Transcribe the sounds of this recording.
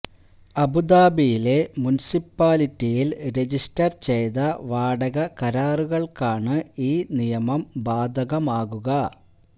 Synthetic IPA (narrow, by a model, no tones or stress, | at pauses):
ɐbud̪aːbijile̞munisipːaːlitːijilɾe̞d͡ʑistɐrt͡ɕe̞jðɐʋaːɖɐɣɐkɐɾaːruɣɐɭkaːɳɨiːnijɐmɐmbaːd̪ʱɐɣɐmaːɣuɣɐ